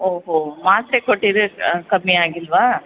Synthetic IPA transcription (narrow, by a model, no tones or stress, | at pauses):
oːɦomaːt̪ɾekoʈːid̪ekɐmːiaːɡilʋaː